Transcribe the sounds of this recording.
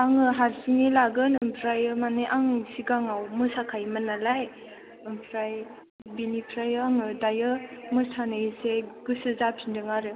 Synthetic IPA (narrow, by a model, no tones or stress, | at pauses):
aŋɯɦaɾsinilaɡɯnɯmpʰɾajɯmanɯʔaŋsiɡaŋawmɯsakʰajmanalaj | ɯmpʰɾaj | binipʰɾajɯaŋɯdajɯmɯstʰanɯiseɡɯsɯzapʰindɯŋaɾɯ